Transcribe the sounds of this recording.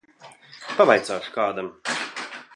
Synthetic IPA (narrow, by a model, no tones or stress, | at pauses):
pavajt̪saːʃu̥kaːd̪am